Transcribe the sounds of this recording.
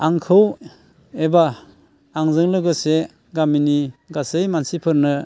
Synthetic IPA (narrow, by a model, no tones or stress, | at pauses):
aŋkʰɯw | ebaː | ŋzɯŋlɯɡɯse | ɡaminiɡasɯjmansipʰɯɾnɯ